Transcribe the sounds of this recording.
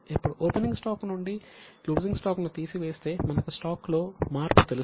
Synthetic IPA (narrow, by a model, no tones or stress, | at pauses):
ipːuɽuʔoːpeniŋɡsʈaːknuɳɖiluːd͡ʒiŋɡsʈaːknut̪iːsiʋeːst̪e̞ːmɐnɐkusʈaːklo̞ːmaːɾpu̥t̪elu